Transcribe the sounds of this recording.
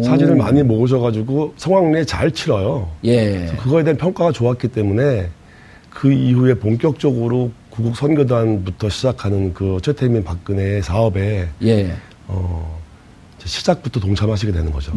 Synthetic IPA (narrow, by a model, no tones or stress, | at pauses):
sʰad͡ʑiɾɯɭma̰ɲimoɡɯɕ̬ʰʌɣad͡ʑuɡosʰʌŋwaŋɲiet͡ɕa̰ɭt͡ɕʰiɾʌjojesʰʌkɯɡʌe̞de̞anpʰjʌŋk͈aɣat͡ɕoak͈it͈e̞mune̞ | kɯihue̞poŋk͈jʌk̚t͡ɕ͈ʌɡɯɾokuɡuk̚sʰʌnɡjodwanbutʰʌɕʰid͡ʑakʰanɯnkɯt͡ɕʰwetʰeminpak̚k͈ɯne̞sʰaʌbe̞je | ʌ | d͡ʑeɕʰi̥d͡ʑak̚p͈utʰʌtoŋt͡ɕʰamɦaɕ̬ʰiɡe̞dwe̞nɯnɡʌ̰d͡ʑo